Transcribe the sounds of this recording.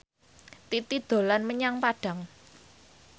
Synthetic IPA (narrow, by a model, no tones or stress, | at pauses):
t̪it̪id̪̥o̤lanməɲaŋpaɖ̥ä̤ŋ